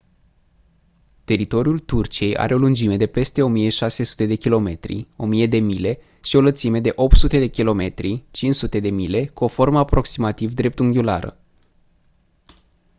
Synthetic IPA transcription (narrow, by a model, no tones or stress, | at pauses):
t̪e̞ɾit̪o̞ɾjult̪urt͡ʃie̞jʔa̰ɾʔe̞o̞lund͡ʒime̞d̪e̞pe̞st̪e̞o̞mije̞ʃase̞su̥t̪e̞d̪e̞kʲilo̞me̞̰t̪ɾḭo̞mije̞d̪e̞mile̞ | ʃio̞lət̪sime̞d̪e̞ʔo̞p̚t̪sut̪e̞d̪e̞kʲilo̞me̞t̪ɾit͡ʃinsut̪e̞d̪e̞mile̞kuo̞fo̞rməapɾo̞ksimat̪ivd̪ɾe̞p̚t̪uŋɡʲula̰ɾə̰